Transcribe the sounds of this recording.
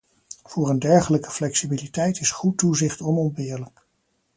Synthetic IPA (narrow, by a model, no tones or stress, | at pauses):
v̥ʊːɹəndɛɹχələkə̥flɛksibilitɛjtɪsχutuzɪχtɔnɔmbɪːɹlək